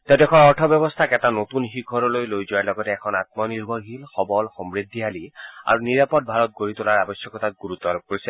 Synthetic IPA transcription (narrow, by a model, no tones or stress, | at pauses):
t̪ɛdɛkʰɔnɔɹtʰɔbjɔbɔst̪ʰakɛtanot̪unxik̚ɔɹɔlojlojzɔaɹlɔɡɔtɛːkʰɔnat̪̚mɔniɹbʱɔɹɦilxɔbɔlxɔmɹid̪ʱːiɦalia̰ɹuniɹapɔd̚bʱaɹɔt̪̚ɡoɹit̪ʊlaɹabɔsjɔkɔt̪at̚ɡuɹut̪ːɔaɔb̚koɹisɛ